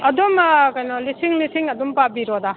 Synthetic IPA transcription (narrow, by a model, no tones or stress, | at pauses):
ɐdumkɐjnɔlisiŋlisiŋɐdumpabiɾɔd̪a